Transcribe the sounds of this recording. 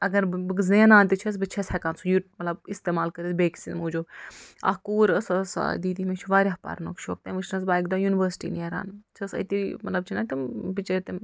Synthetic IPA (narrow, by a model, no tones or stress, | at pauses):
ɐɡɐɾbɨkzẽːnaːnt̪it͡ʃʰɐs̬bɨt͡ʃʰɐshɛkaːnsʰujuʈmɐt̪lɐbist̪eːmaːlkɐɾizbeːksimuːd͡ʒoːa̰kuːɾəsɐsa̰d̪iːd̪imẽt͡ʃʰuʋaːɾʲaɦpa̰ːɾnokʃʰoːk̚t̪ẽʋɨt͡ʃʰnɐsbaːikd̪aːjuniʋəɾsʈḭːneɾa̰ːnt͡ʃʰɐsɐ̰t̪imɐt̪lɐb̚t͡ʃʰinɐt̪imbit͡ʃɐt̪e